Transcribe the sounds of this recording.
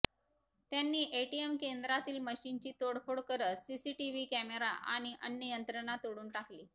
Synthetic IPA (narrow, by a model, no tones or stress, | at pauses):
t̪janːiːʔeʈiemkend̪ɾat̪iːlməɕint͡ɕiːt̪oɽfoɽkəɾət̪sisiːʈiʋikæmeɾa̰ʔa̰ɽ̃iʔənjəjənt̪ɾənat̪oɽuːnʈakliː